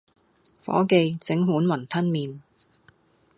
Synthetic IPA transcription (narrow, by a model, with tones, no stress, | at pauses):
fɔ̰ː˨˥ke˧jt͡sɪ˨˥ŋɦuː˨˥nwɐ˨˩nt̪ʰɐ˥nmiː˨n